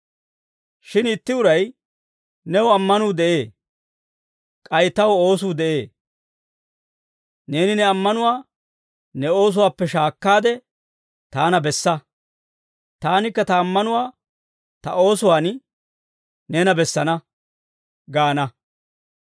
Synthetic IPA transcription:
ʃɪnɪt̪ːɪʊɾɐj | nɛwʊɐmːɐnuːd̪ɛʔe̞ː | kʼɐjt̪ːɐwo̞ːs̬uːd̪ɛʔe̞ː | ne̞ːnɪnɛɐmːɐnʊwaː | nɛo̞ːs̬ʊwaːpːɛʃaːkːaːd̪ɛ | t̪aːnɐbɛsːɐ | t̪aːnɪkːɐt̪ɐːmːɐnʊwaː | t̪ɐʔo̞ːsʊwaːn | nɛnɐbɛsːɐnɐ | ɡaːnɐ

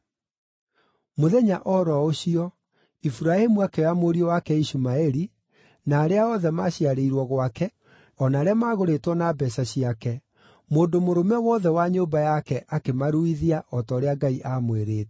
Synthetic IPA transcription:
moðɛɲaʔɔɾɔoɕiɔ | ifuɾaemuakɛjamoɾiɔwakɛiɕumaɛɾi | naːɾeaɔðɛmaɕiaɾeiɾwɔɣwakɛ | ɔnaːɾeamaːɣoɾetwɔnabɛsaɕiakɛ | moːndomoɾomɛwɔðɛwaɲoːbajakɛʔakemaɾuiðiaʔɔtɔːɾeaɡaiʔamweɾeːt

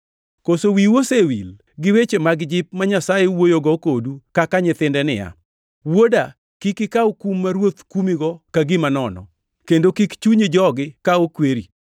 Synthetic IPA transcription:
kosowiwosewḭl | ɡɪwet͡ʃemaɡd͡ʒɪp̚maɲasajewojoɡɔkodukakaɲɪt̪ɪndɛnɪ̰ja̰ | woda | kikɪkaokumːaɾwot̪kumiɡɔkaɡɪmanɔnɔ̰ | kendokikt͡ʃuɲed͡ʒɔɡɪkaokweɾi

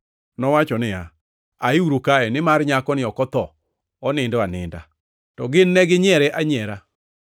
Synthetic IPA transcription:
nɔwat͡ʃɔnɪja | aɪuɾokaɛnɪmarɲakɔnɪɔkɔt̪ɔ | ɔnɪndɔanɪ̰nda̰ | tɔɡɪnːɛɡɪɲɛɾɛʔaɲɛɾa

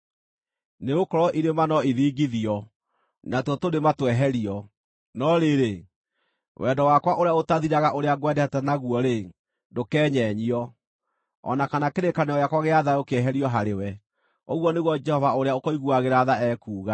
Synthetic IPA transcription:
neokɔɾɔʔiɾemanɔiðiːɡiðiɔ | natɔtondematwɛɦɛɾiɔ | nɔɾeɾe | wʔɛdɔwakwaʔoɾeaotaðiɾaɣaʔoɾeaɣwɛdɛhɛtɛnaɣuɔɾe | ndokɛːɲɛɲiɔ | ɔ̰nakanakeɾekanɛɔjakwaɣeaðaokeɛɦɛɾiɔɦaɾewɛ | oɣwɔneɣwɔd͡ʒɛhɔvaoɾeaokɔiɣuaɣeɾaðaɛkuːɣa

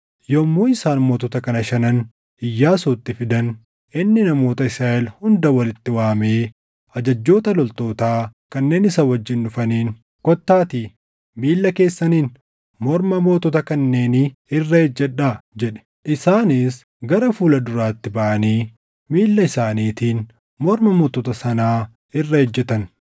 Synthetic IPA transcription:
jɔmːuːɪsaːnmoːt̪ɔt̪ɐkɐnɐʃɐnɐn | ɪjːaːsuːt̪ːɪfɪd̪ɐn | ʔɪnːɪnɐmo̞ːt̪ɐɪsɾaːʔɛlhʊnd̪ɐwɐlɪt̪ːɪwaːmeː | ɐd͡ʒɐd͡ʒːo̞ːt̪ɐlɔlt̪o̞ːt̪aːkɐnːe̞ːnɪsɐwɐd͡ʒːɪnːʊfɐniːn | kɔt̪ːaːt̪iː | miːlːɐke̞ːsːɐniːn | mɔɾmɐmoːt̪ɔt̪ɐkɐnːe̞ːnɪrːɐhɛd͡ʒːɛᶑaːd͡ʒɛᶑɛ̥ | ʔɪsaːnɪs | ɡɐɾɐfuːlɐd̪ʊɾaːt̪ːɪbɐʔɐniː | miːlːɐɪsaːniːt̪iːn | mɔɾmɐmɔːt̪ɔt̪ɐsɐnaː | ɪrːɐhɛd͡ʒːɛt̪ɐn

